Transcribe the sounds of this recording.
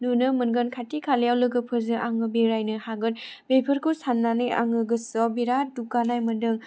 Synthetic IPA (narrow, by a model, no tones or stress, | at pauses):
nunɯmɯnɡɯnkʰatikʰaljawlɯɡɯpʰɯzɯʔaŋɯbeɾajnɯhaɡɯnbepʰɯɾkʰusanːanɯja̰ŋɯɡɯsɔbiɾadukanajmɯndɯŋ